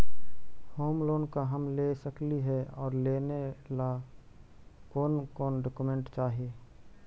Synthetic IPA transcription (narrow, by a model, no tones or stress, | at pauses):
hoːmloːnkaɦəmleːsəkliɦɛɔːɾleːnela | kɔːnkɔːnɖoːkumẽɳʈt͡ʃaːɦieː